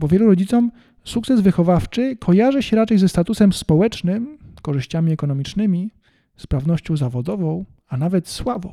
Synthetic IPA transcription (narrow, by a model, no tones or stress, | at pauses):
bɔvʲjɛluɾɔd͡ʑit̪sɔm | suk̚t̪sɛzvɘxɔvaft͡ʂɘkʰɔjaʐɘɕɛɾat͡ʂɛjzɛst̪at̪usɛmspɔwɛt͡ʂnɘmkɔʐɘɕt͡ɕamʲiɛkɔnɔmʲit͡ʂnɘmʲi | spɾavnɔɕt͡ɕɔ̃w̃zavɔd̪ɔvɔ̃w̃ | anavɛt̪swavɔ̰̃w